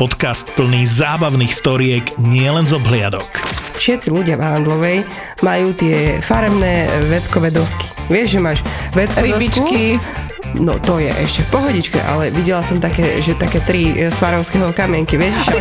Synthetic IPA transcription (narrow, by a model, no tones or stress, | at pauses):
pɔt̪kast̪̚pl̩niːzaːbaʊniːxst̪ɔɾɪɛɡɲɪɛlɛnzɔbɦlɪa̰d̪ɔkfʃɛt̪t͡siluɟɪavand̪lɔʋɛj | majuːt̪ɪɛfaɾɛmnɛːʋɛt͡skɔʋɛd̪ɔski̥ʋɪɛʒʒɛmaːʃʋɛt͡skɔɛd̪it͡ʃki | nɔ̰t̪ɔjɛʔɛ̰ʃcɛfpɔɦɔɟit͡ʃkɛ̰ʔa̰lɛʋiɟɛlasɔmt̪akɛːʒɛt̪akɛːt̪ɾisʋaɾɔʊskɛɦɔkamɪɛŋkiʋɪɛʃʒɛ